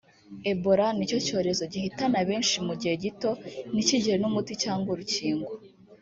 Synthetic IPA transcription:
e̞boɾanico̞co̞ːɾe̞zo̞ɟihitanaβe̞ːnʃimuɟiheɟito̞niciɟihenumuticaːŋɡwoɾuciːŋɡwo

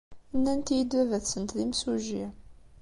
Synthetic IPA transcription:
nːænt̪jid̪wævæθsənt̪limsuʒi

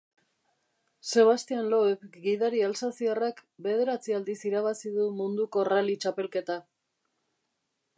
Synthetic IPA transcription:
se̞β̞ast̪ianloefɡiðaɾialsasiarakbe̞ð̞e̞ɾat͡siald̪isiɾaβ̞asiðumund̪uko̞ralit͡ʃape̞lke̞t̪a

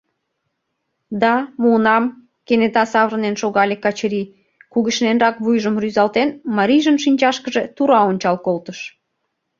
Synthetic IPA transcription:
d̪ɑmuːnɑm | kenet̪ɑsɑβrənenʃoɣɑlʲekɑt͡ɕəɾi | kuɣəʃnenrɑkβujʒəmryzɑlt̪enmɑɾʲiʒənʃinʲt͡ɕɑʃkəʒe̽t̪uɾɑonʲt͡ɕɑlkolt̪əʃ

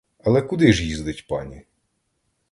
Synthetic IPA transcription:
ɐlˠɛkʊd̪ɪʒjizd̪ɪtʲpɑ̰nʲi

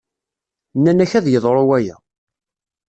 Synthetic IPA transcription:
nːænæçæðjəðˤɾˤowæjæ̰

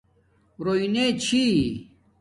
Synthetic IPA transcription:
ɾoinet͡ɕʰi

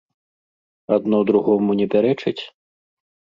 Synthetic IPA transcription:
ad̪nɔd̪ɾuɣɔmunʲɛpʲaɾɛt͡ʂɨt͡sʲ

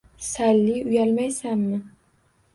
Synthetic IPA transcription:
salːɪʊjalmajsamːɪ

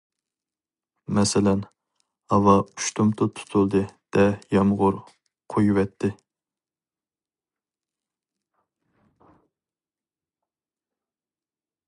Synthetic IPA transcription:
mɛsɪlɛn | hɑwɑuʃt̪ʰumt̪ʰʊt̪ʰu̥t̪ʰulˠd̪ɨd̪̥ɛjɑmʁʊɾ | qʰojuwɛt̪ʰːɪ

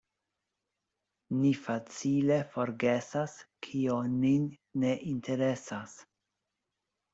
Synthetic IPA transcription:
nifat͡sile̞fo̞ɾɡesaskʰioninː | e̞ʔintʰe̞ɾe̞sas

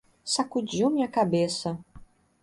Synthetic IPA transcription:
sakud͡ʑiwmʲiɐkabesɐ

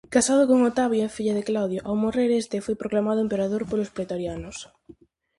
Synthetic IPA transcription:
kasað̞okoŋot̪aβjoefiʎað̞eklawð̞joʔawmoreɾest̪efojpɾoklamaðoempeɾaðoɾpolospɾet̪oɾjanos

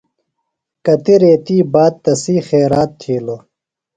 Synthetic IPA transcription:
kɐt̪iɾeːt̪iːbaːd̪̚t̪ɐsiːxeːɾaːt̪ʰːiːlo

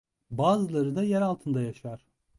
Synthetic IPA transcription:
baːzɯlˠaɾɯd̪ajæɾalˠt̪ʰɯnd̪ajaʃaɾ̥

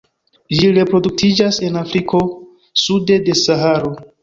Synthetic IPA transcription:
d͡ʒiɾe̞pɾo̞duk̚tʰid͡ʒase̞nafɾikʰo̞ | sude̞de̞saɦaɾo̞

